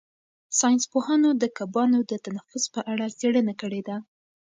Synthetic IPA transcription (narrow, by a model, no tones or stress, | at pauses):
sɑjnspohanod̪əkabɑnod̪ət̪anafʊspəʔaɽat͡seɽənakəɽed̪a